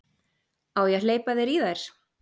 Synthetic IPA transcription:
awjɛleːjpaðɪɾiðajɾ̥

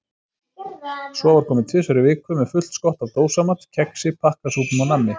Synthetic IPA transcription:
sɔːvaɾ̥kʰɔːmɪt̪ʰɪsœɾɪvɪːkʏmɛðfʏl̥t̪skɔht̪avt̪oːwsamat̪cʰɛksɪpʰahkasuːpʏnawnanːɪ

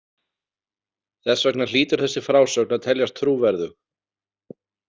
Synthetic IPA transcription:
θɛsːvɛknal̥iːt̪ʏɾ̥θɛsːɪfɾaːwsœknat̪ʰɛljaɾ̥t̪ʰɾuːvɛɾðʏ

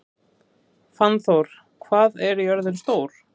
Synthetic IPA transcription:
fanθowɾ̥ | kʰvaːðɛɾjœɾðʏnst̪oːwɾ̥

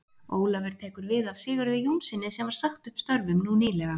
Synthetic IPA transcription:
oːwlavɛɾ̥t̪ʰeːkʏɾvɪðav̥sɪːɣʏɾðɪjunsɪnːɪsɛmvaɾ̥saxt̪ʏhpst̪œɾvʏmnuniːlɛɣa

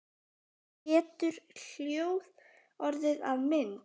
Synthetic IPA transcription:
hɛːt̪ʏɾ̥l̥joːwð | ɔɾðɪðavmɪn

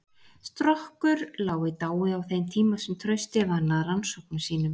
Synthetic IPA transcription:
st̪ɾɔhkʏɾlaːwɪt̪aːwɪawθejnt̪ʰiːmasɛmt̪ʰɾœɥst̪ɪvanːaðɾansɔwknʏmsiːnʏm

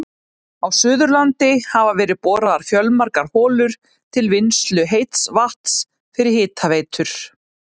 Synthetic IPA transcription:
awsʏːðʏɾlant̪ɪhavavɛːɾɪðpɔːɾaðaɾ̥fjœlmaɾkaɾhɔːlʏɾ̥ | t̪ʰɪlvɪnst̪lʏɦejt̪svaht̪s | fɪɾɪɾ̥hɪːt̪ʰavejt̪ʰʏɾ̥

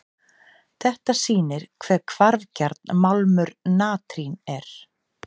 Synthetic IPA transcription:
θɛht̪asiːnɪɾ̥kʰvɛːɾkʰvaɾðcɛɾt̪̚nmalmʏɾnaːt̪ɾinɛɾ̥

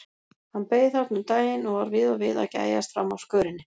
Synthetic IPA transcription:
hanːpeːjðθat̪nʏmt̪aːjɪnɔɣvaɾvɪːðavɪːða̰ca̰ːja̰st̪fɾa̰mːawskœːɾɪnːɪ

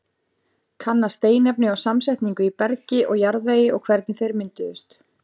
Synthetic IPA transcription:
kʰanːast̪eːjnɛpnɪawsamsajht̪niŋkʏipɛɾcɪʔɔɣjaɾðvejɪɔɣkʰvɛɾt̪̚nɪθejɾmɪnt̪ɪðʏst̪

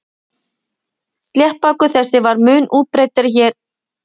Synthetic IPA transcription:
st̪lʲjɛhpakʏθɛsːɪvaɾmʏːnʔuːt̪̚pɾeːjt̪ɪɾçɛɾ̥

